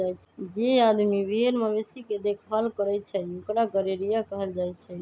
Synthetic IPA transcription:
ajt͡ʃʰɛd͡ʒead̪mibʱeɾməbesiked̪ekʰʋalkəɾɛjt͡ʃʰɛokɾaɡəɾeɾijakəɦəld͡ʒajt͡ʃʰɛ

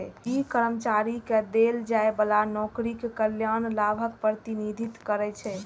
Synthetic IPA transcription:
ɛikəɾəmt͡ʃaɾiked̪eld͡ʒaebəlanɔkɾikkəljanlabʱəkpɾət̪inid̪ʱit̪kəɾɛt͡ʃʰɛ

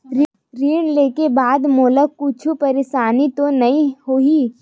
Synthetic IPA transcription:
ɾ | ɾiːɽ̃leːkebaːd̪moːləkkʊt͡ʃʰupɐɾeːʃaːnit̪onɐĩhoːi

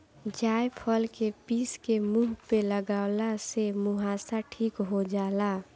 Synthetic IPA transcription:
d͡ʒaːjpʰəlkepiːskemuːɦpeləɡaːʊlasemuɦaːsaʈʰiːkɦod͡ʒaːla

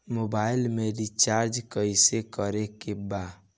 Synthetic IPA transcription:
mobailmeɾit͡ʃaɾd͡ʒkəjsekɔɾekeba

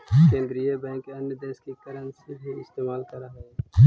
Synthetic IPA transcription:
kẽːnd̪ɾijəbɛ̃ːŋkɐnjəd̪eːskikɐɾənsebʱiɪst̪eːmaːlkɐɾaɦɛː

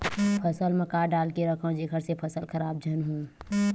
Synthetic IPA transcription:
pʰɐsəlmɐ̃kaːɖaːlkeɾɐkʰõd͡ʒekʰəɾsepʰɐsəlkʰɐɾaːb̚d͡ʒʱɐnɦõː

